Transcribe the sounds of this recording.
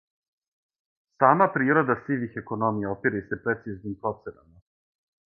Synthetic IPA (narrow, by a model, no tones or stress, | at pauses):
saːmapɾiːɾo̞d̪asiʋixeko̞no̞mijaopiɾase̞pɾe̞t̪siznimpɾo̞t̪sena̰ma